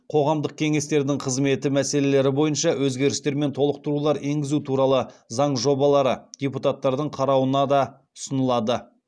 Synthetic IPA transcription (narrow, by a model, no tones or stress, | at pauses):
qʰo̞ʁɑmd̪əq̚kʲʰe̞ŋe̞st̪e̞ɾd̪ɪŋqʰəzme̞t̪ɪmæse̞le̞le̞ɾɪbo̞jənʃɑwʔɵzɡʲe̞ɾɪst̪e̞ɾme̞nt̪ʰo̞lˠəq̚t̪əɾulˠɑɾe̞ŋɡʲɪzut̪ʰuɾɑlˠəzɑɴʒo̞bɑlˠɑɾəd̥̪ʲeput̪at̪ːɑɾd̪əɴqʰɑɾɑwənɑd̪ɑ | ʊsənəlˠɑd̪ə